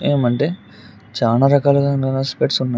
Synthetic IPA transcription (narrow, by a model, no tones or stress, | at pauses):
eːmɐɳʈe̞ː | t͡ʃaːlaːɾɐkaːluɡaːanaːspeːʈsunːa